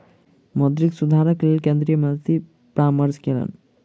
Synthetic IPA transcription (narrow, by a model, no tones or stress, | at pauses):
mɔd̪ɾiksud̪ʱaɾəklelkẽnd̪ɾijəmə̃nt̪i | pɾaːməɾd͡ʒkelə̰n